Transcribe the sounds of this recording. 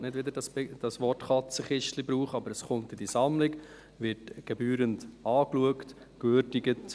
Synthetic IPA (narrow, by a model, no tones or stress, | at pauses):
nɪdvʋɪd̪ədɑsbɛd̥ɑsʋɔrtχɑt͡səχɪʃtlibɾuːχəɑbəɾəsχʊntid̥isɑmlɪk | ʋɪrtɡ̥ɛbyːɾəntɑːkluəkt | kvøɾdɪɡət